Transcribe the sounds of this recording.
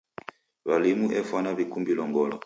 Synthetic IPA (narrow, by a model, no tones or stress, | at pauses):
βalimuʔɛfwanaβikumbilɔŋɡɔlɔ